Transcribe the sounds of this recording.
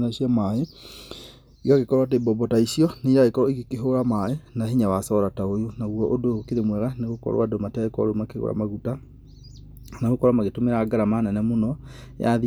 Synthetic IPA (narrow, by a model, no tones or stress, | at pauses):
naisiamae | iɣaɣekɔɾwatebɔbɔtaisiɔneɾaɣekɔɾɔiɣekeɦoɾamaenaɦiɲawasɔɾataojonaɣwɔʔodokeɾemwɛɣaneɣokɔ̰ɾw̰adomatɛkɔ̰ɾomakeɣo̰ɾa̰maɣuta | naɣokɔɾwamaɣetomeɾaːɡaɾamanɛnɛmonɔ̰ | aði